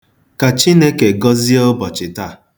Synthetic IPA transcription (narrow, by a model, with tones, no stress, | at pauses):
ka˨t͡ʃi˦ne˦ke˨ɡɔ˦zi˦o˦bɔ˨t͡ʃɪ˨ta˦˨